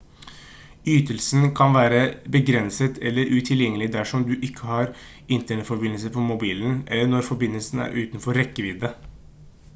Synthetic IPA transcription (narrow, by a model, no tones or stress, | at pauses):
yːt̪əlsn̩kʰɑnʋæːɾəbəɡɾɛnsət̪ʰɛlːəɾʔʉːt̪ʰɪljɛŋːəlɪd̪æʂɔmd̪ʉʔɪkʰːəhɑɾ | ɪnt̪əɳɛt̪fɔɾbɪnəlsəpʰɔmʊbiːln̩ʔɛlːəɳɔɾfɔɾbɪnːəlsn̩æ̰ːɾʔʉːt̪nfɔɾːɛkːəʋɪd̪ːə